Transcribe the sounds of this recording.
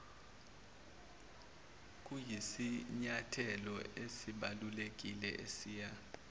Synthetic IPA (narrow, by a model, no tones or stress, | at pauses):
k̬ʼujisiɲatʰɛlɔesiɓalulek̬ʼilɛ̰ʔesiːja